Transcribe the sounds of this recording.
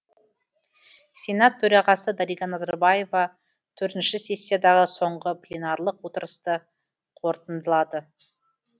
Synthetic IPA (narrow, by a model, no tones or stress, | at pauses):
sʲe̞nat̪ʰːɵɾɑʁɑsəd̪ɑɾijɡɑnɑzɑɾbaje̞vɑ | t̪ʰɵɾt̪ɪnʃɪsʲe̞sʲːijad̪ɑʁəso̞ɴʁəplʲenɑɾlˠəqwo̞t̪əɾəst̪ə | qʰo̞ɾt̪ənd̪əlˠɑd̪ə